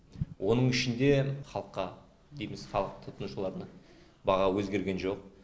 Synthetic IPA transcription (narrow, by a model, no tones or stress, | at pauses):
wʔo̞nəɴɪʃɪnd̪eχɑlˠəqːɑ | d̪ejmɪz̥χɑlˠəq̚t̪ʰʊt̪ʰənuʃəlˠɑɾənə | bɑʁɑwɵzɡʲe̞ɾɡʲe̞nʒo̞q